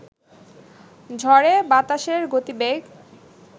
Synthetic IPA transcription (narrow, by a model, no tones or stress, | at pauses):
d͡ʑʱɔɾebat̪aʃeɾɡot̪ibeɡ